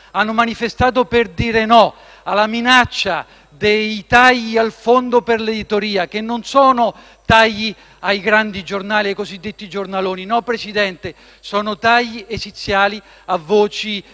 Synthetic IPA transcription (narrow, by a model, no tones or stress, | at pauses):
anːomanifest̪aːt̪̬operd̪iːɾenɔ | alaminat͡ʃːa | d̪ejt̪aʎːialfond̪operled̪it̪oɾiːak̟enːonsɔːnʊ | t̪ajːi | ajɡɾand̪id͡ʒornaːliajkozid̪ːet̪ːid͡ʒornaloːninɔpːɾesid̪ɛnt̪e | sɔːnʊt̪ajːiʔesit̪sːjaːli | avːoːt͡ʃi